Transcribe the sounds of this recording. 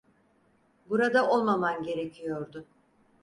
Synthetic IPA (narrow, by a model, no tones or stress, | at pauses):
buɾad̪ao̞lˠmamanɟe̞ɾecʰijo̞ɾd̪ʊ